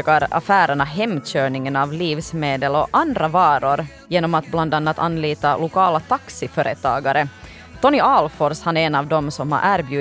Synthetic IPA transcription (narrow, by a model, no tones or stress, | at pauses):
kaɾa̰fæːɾəɳaɦɛmɕøːɳɪŋənɑvliːvsmeːd̪əlɔʔand̪ɾavɑːɾʊɾ | jeːnɔmat̪bland̪anːat̪ʰa̰nːliːt̪alʊkɑːlat̪ʰaksɪfœɾʔət̪ʰɑ̰ːɡaɾə | t̪ɔnɪɑlfɔɾshanæɾɛnɑvd̪ɔmsɔmha̰ɾʔæːɾbjʉ̟ː